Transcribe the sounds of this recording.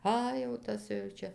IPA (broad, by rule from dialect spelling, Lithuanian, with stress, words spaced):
ˈɐ jɛʊ ˈtɐs jɛʊ ˈt͡ʃʲɛ